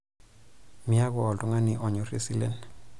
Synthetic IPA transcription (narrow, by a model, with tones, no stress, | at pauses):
mi˨˦a˦kɔ˨ɔ˨lɔ˦ŋa˦ni˨ʔɔ˨ɲɔ˨re˦si˦lɛ̰˦n